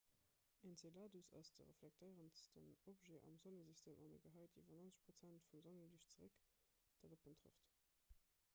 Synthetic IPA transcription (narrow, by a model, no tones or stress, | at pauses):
ent͡selaːdusɑ̰sd̥ə̰ʁə̰flæk̚tʰəɪʁənstənopʒeːʔɑ̰mzonəzistʰeːmʔɑnə̰ɡəɦɑɪtʰivɐnonsə̥ʃpʁ̥ot͡sæntfumzonəliʃt͡səʁək | d̥adopəntʁə̰ft